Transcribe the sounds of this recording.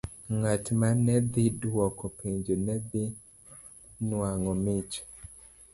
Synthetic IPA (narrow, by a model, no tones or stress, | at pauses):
ŋatmanɛd̪idɔkɔpʰeɲd͡ʒonɛd̪ɪ | nwaŋɔmɪt͡ʃ